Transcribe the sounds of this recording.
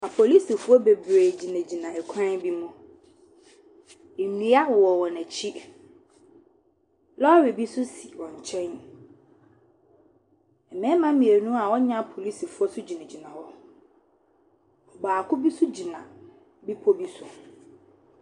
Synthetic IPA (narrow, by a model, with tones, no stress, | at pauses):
a˨pʰo˨li˦si˨fu˦ɔ˦be˨bɾe˨d͡ʑi˨næ̃˨d͡ʑi˨nã˨ɛ˨kʷʰã˦n˦bi˦mʊ̃˦˨ | ĩ˨˦a˦wɔ˨wɔ˨wɔ˨næ̃˨t͡ɕʰi˦ | lɔ˦ɾi˨bi˦sʊ˦si̥˨wɔ̃˨ɲ˨t͡ɕʰɛ̃˦n | ɛ˨nɛ̃˦mã˦mĩ˨e˨nũ˦a˨wɔ˦ɲã˦pʰo˨li˦si˨fu˦ɔ˦sʊ˦d͡ʑi˨nɛ̃˨d͡ʑi˨nã˨hɔ˦ | ɔ˨baː˨kʰʊ˦bi˦sʊ˦d͡ʑi˨nã̰˨ | bi˦pʰo˦bi˦sʊ˦